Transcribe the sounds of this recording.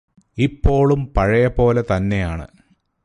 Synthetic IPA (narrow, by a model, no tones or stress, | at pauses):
ipːo̞ːɭumpɐɻɐjɐpo̞ːlet̪ɐnːe̞jaːɳɨ̰